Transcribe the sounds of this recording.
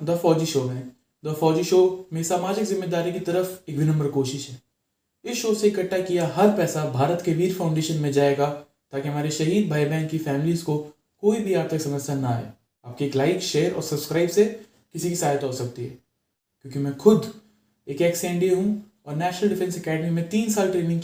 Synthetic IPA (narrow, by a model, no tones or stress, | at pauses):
d̪ɔfɔːd͡ʒiʃoːɦɛ̃ | d̪ɔfɔːd͡ʒiʃoːmeːɾisaːmaːd͡ʒɪkzɪmːeːd̪aːɾikit̪ɐɾəfekʋɪnə̃mbəɾkoːʃɪʃɦɛː | ɪsʃoːseɪkəʈːakijaɦɐɾpɛːsabʱaːɾət̪keʋiːɾfʰãːʊ̃ɳɖeːʃənmẽd͡ʒaːeːɡa | t̪aːkiɦɐmaːɾeʃɐɦiːd̪̚bʱaːjbɛ̃ːŋkːifɛːmliːzko | koːibʱiaːɾt̪ɪksɐməd͡ʒsanaaːɦḛ | aːp̚kieːklaːɪkʃeːəɾɔ̰ːɾsɐbskɾaːɪbse | kɪsikisaːɦət̪ɦoːsɐk̚t̪iɦɛ̰ː | kʲjõːkimɛ̃xʊd̪ | eːkeːksẽːɳɖiɦũ | ɔːɾnɛːʃnəlɖɪfɛ̃nsɐkɛːɖmimẽt̪iːnsaːlʈɾeːnɪ̃ŋɡ